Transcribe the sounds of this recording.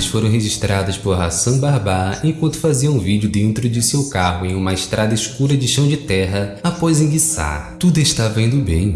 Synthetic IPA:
ɪsfoɾɐ̃w̃ɦeʒiʃt̪ɾad̪ɐspoɾɦasɐ̃w̃baɾbaẽkwɐ̃nt̪ʊ̥faziɐũvid͡ʒɪʊd̪ẽnt̪ɾʊd͡ʒɪsewkaɦʊẽj̃ũmɐɪʃt̪ɾʔad̪ɐiʃkuɾɐd͡ʒɪʃɐ̃w̃d͡ʒɪt̪ɛɦɐapɔjzĩɡisa̰ɾt̪ud̪ɐɪʃt̪avẽnd̪ʊbẽj̃

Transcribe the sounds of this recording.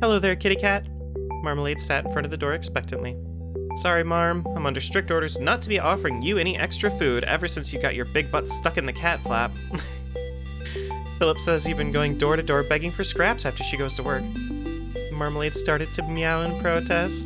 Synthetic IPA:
hɛloʊðə˞kʰɪɾikʰæt̚ | mɑɹmleɪd̥sæɾn̩fɹʌ̃ɾ̃ʌvðɨdɔɹɨkspɛk̚tɨ̃nʔli | sɑɹimɑɹmãɪ̃mʌ̃ndə˞stɹ̥ɪk̚tɔɹɾə˞znətʰɨbiʔɔfə˞ɪ̃ŋjɨɛɾ̃iʔɛ̰kstɹ̥ɨfʉɾɛ̰və˞sɪ̃nsjɨɡɑ̰t͡ʃə˞bɪɡ̚bʌtstʌkɨ̃nðɨkʰætflæ̰p̚ | fɪlˠəpsɛzjʉvbɨ̃nɡoʊɪ̃ŋdɔɹɾɨdɔɹbɛɡɪ̃ŋfə˞skɹæpsæftə˞ʃiɡoʊz̥tʰəwɜ˞k̚ | mɑɹmleɪd̥stɑɹɾɨd̚tʰɨjaʊə̃npʰɹ̥oʊtʰɛst

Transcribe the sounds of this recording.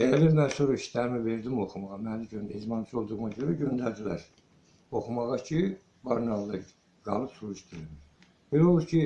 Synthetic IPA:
eælimænsoɾɑiʃt̪ʰæɾmive̞ɾd̪imo̞xumɑʁɑmæliɟønizmɑnt͡ʃʰo̞lˠd̪uɣnɑɟøɾæɟø̞nd̪æɾd̪ilæ̰ɾ̥ | o̞xumɑʁɑcʰi | bɑɾnɑld̪ɑ | ɡ̥ɑ̰lˠɯpsuɾuʃt̪ʰimi | belolˠuɾcʰi

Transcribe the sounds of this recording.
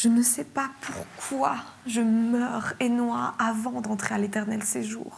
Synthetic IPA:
ʒ̥ənəsɛpapʰuʁkʰwa | ʒəmœːʁenwaavɑ̃d̪ɑ̃t̪χealet̪ɛʁnɛlseʒṵːʁ

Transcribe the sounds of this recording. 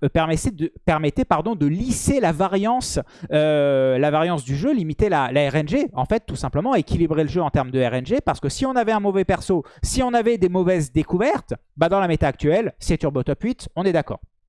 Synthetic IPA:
pɛʁmɛsɛd̪əpɛʁmɛt̪ɛpaʁd̪ɔ̃d̪əliselavaʁjɑ̃sølavaʁjɑ̃sd̪yʒølimit̪elalaɛʁɛnʒeɑ̃fɛt̪ːusɛ̃pləmɑ̃aekʲilibʁeləʒøɑ̃t̪ɛʁmd̪əɛʁɛnʒepaʁsə̥kəsiɔ̃navɛɛ̃mɔvɛpɛʁsosiɔ̃navɛd̪emɔvɛzd̪ekuvɛʁt̪ | bad̪ɑ̃lamet̪aːk̚t̪ɥɛlsɛt̪yʁbɔt̪ɔpɥit̪ɔ̃nɛd̪akɔ̰ːʁ

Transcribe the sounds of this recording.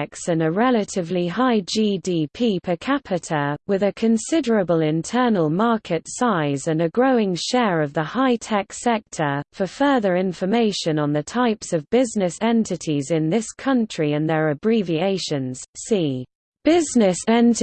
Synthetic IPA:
ksə̃nəɹɛlətʰɪvliɦaɪd͡ʒiːdiːpʰiːpʰəkʰapʰɪtʰəwɪðəkʰə̃nsɪdəɹəbəlɪ̃ntʰɜːnəlˠmɑˑkʰɪtsaɪzə̃nəɡɹəʊɪ̃ŋʃɛːɹəvðəhaɪtʰɛksɛk̚tʰəfəfɜːðəɹɪ̃ɱfəmeɪʃə̃nə̃nðətʰaɪpsəvbɪznɪsɛ̃ntʰɪtʰizɪ̃nðɪskʰʌ̃nt͡ʃɹ̥iə̃nðəɹəbɹivieɪʃə̃nz̥siː | b̥ɪznɪsɛ̃nt

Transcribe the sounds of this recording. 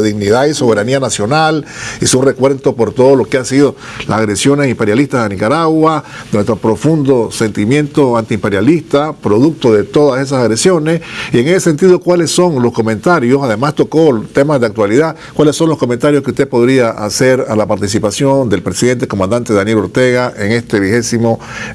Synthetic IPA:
ðiɣniðaiso̞βe̞ɾanianasjo̞nalisunrekwe̞nt̪opo̞ɾt̪oðolo̞keasiðo | lasaɣɾe̞sjo̞ne̞simpeɾjalist̪azðenikaɾaɣwanwe̞st̪ɾopɾo̞fund̪o̞se̞nt̪imjẽ̞nt̪oant̪iːmpe̞ɾjalist̪apɾo̞ðuk̚t̪oðe̞t̪o̞ðase̞s̬asaɣɾe̞sjo̞nesieŋesese̞nt̪iðokwale̞sso̞ŋlo̞sko̞mẽnt̪aɾjosaðemast̪o̞kot̪e̞mazðeakt̪waliða | kwale̞sːo̞nlo̞sko̞ment̪aɾjoskeust̪e̞po̞ðɾiaʔa̰se̞ɾalapaɾt̪is̬ipasjo̞nd̪e̞lpɾe̞siðe̞nt̪ekomãnd̪ant̪e̞ðanjelo̞ɾt̪e̞ɣaʔe̞ŋe̞st̪e̞βixe̞simo̞

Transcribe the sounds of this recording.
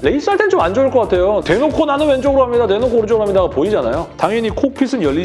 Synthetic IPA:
le̞is͈aɭtʰeŋt͡ɕomand͡ʑoɭk͈ʌk͈atʰe̞jote̞nokʰonanɯnwend͡ʑʌɡɯɾoɦamɲidate̞nokʰoɾɯd͡ʑʌɡɾoɦamɲidaɡapoid͡ʑanajotaŋʌɲikʰok̚pʰis͈ʰɯnjʌʎːi

